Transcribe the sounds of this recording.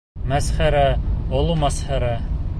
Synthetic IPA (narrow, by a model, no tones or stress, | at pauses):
mæsχæɾæŏlˠumæsχæɾæ